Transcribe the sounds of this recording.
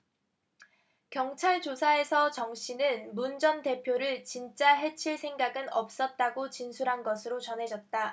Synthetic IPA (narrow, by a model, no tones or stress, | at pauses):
kjʌŋt͡ɕʰaɭt͡ɕosʰae̞sʰʌt͡ɕʌŋɕ͈inɯnmund͡ʑʌnte̞pʰjoɾɯɭt͡ɕint͡ɕ͈aɦe̞t͡ɕʰiɭsʰe̞ŋɡaɡɯnʌp̚s͈ʌt̚t͈aɡot͡ɕinsʰuɾɦanɡʌsʰɯɾot͡ɕʌnɦe̞d͡ʑʌt̚t͈a